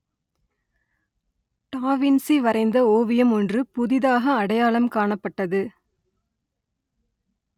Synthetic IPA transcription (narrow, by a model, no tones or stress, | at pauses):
ʈaːʋɪnsiʋɐɾɐɪnd̪ɐoːʋɪjɐmɔndrɯpʊðɪðaːɣɐːɽɐjaːɭɐmkaːɳɐpːɐʈːɐðɯ